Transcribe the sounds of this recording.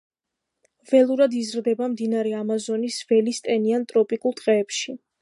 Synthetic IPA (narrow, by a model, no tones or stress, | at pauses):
vɛlˠuɾad̪izɾd̪ɛbamd̪inaɾɛamazɔnisvɛlist̪ʼɛniant̪ʼɾɔpʼikʼulˠt̪ʼqʼɛːpʃi